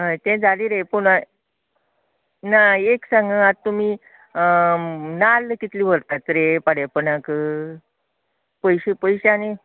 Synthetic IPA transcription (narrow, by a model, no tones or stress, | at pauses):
ɦəjt̪ɛ̃d͡zʱaliːɾejpuɳa | naeksãŋɡəat̪ːum̤i | nalːəkit̪liːʋəɾt̪at̪əɾepaɽapənakə | pəjɕepəjɕane